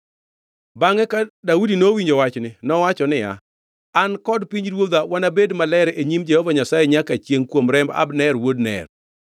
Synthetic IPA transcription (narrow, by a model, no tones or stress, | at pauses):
baŋɛkadaudinowiɲd͡ʒowat͡ʃnɪnɔwat͡ʃɔnɪja̰ | ankɔdpiɲɾwod̪awanabedmalɛɾeɲimd͡ʒɛhɔvaɲasajɛɲakat͡ʃjeŋkwomɾɛmba̰bnɛrwodnɛ̰r